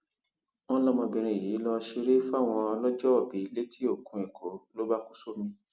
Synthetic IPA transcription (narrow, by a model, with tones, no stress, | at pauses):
w̃ɔ̃˦lɔ˦mɔ̃˧bĩ˨˧ɾ̃ĩ˧˨jiː˨˦lɔ˧ʃi˧ɾe˦fa˦˨w̃ɔ̃˧ɔ˧lɔ˦d͡ʒɔ˦ɔ˨bi˨˦i˧˦le˦tʰi˦o˦˨kũ˧i˨ko˨˦lo˦ba˦ku˦so˦mĩ˧